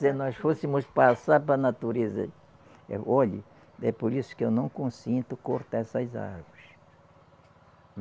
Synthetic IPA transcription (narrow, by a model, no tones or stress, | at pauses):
enɔsfosimʊspasaɾpɾɐnat̪uɾezɐ̰ | ɛ̰ʔɔʎɪ̰ | ɛpoɾisʊ̥kɪewnɐ̃w̃kõsĩnt̪ʊkoɾt̪aɛsɐza̰ɾvʊɾɪs